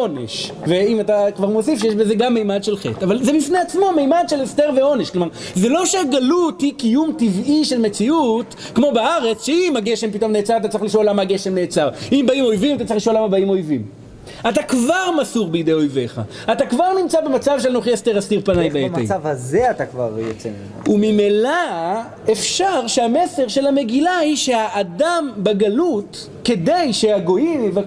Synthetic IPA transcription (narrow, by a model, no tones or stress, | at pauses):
onḛʃveimatakvaʁmo̞sifʃejeʃbeze̞ɡamːejmad̪ʃelχḛtavalzebifne̞at͡smo̞mejmadʃelesteʁveo̞neʃklomaʁ | ze̞lo̞ʃeaɡaluthikijumtiviʃe̞lme̞t͡siut | kmo̞beaʁe̞t͡sʃeimhaɡeʃempito̞mneːt͡saʁat̪̬at͡sʁiχliʃolːamaɡe̞ʃe̞mneːt͡saʁimbaimo̞jvimat̪at͡sʁiχliʃo̞lamabaimo̞jvim | atakvaʁmasuʁbejd̪e̞jo̞jve̞χa̰ | atakvaʁnimt͡sabemat͡savʃelnoχjesteʁastiʁpanajbeemḛjavhazeatakva̰ʁjat͡sem | umimela | e̞fʃaʁʃeame̞seʁʃe̞lame̞ɡilahiʃe̞aʔːdambeɡalut | ke̞de̞jʃe̞aɡo̞imva